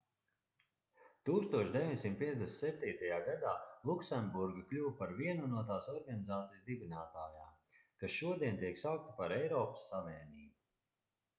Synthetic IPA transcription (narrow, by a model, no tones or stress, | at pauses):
t̪uːkst̪uɔʃd̪evʲiɲsimt̪̚piɛd̪esnt̪sɛp̚ʲt̪ʲiːt̪ajaːɡad̪aːlˠuksɛmbuɾɡaklʲuːwpaɾviɛnunuɔt̪aːsɔɾɡanizaːt̪sijszd̪ibinaːt̪aːjaː | kasʃuɔd̪iɛnt̪iɛksawk̚t̪i̥paɾɛjɾɔːpə̥sːaviːɛniːbu